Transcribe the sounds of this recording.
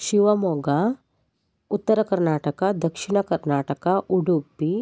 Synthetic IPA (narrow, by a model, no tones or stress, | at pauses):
ʃiʋɐmoːɡa | ut̪ːəɾɐkɐɾnaːʈəkad̪ɐkʃɪɳɐkɐɾnaːʈəkaʔuɽupːi